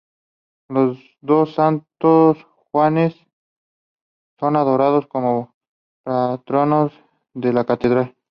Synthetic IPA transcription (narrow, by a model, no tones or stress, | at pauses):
los | d̪osant̪os | xwanes | onaðoɾaðoskomo | pɾat̪ɾonos | d̪elakat̪ed̪ɾal